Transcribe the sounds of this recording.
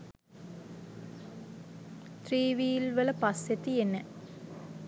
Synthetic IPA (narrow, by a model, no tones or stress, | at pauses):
t̪riːʋiːlʋələpaset̪ienə